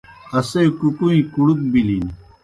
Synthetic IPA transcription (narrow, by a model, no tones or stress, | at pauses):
ɐsekukuĩkuɽuk̚bilin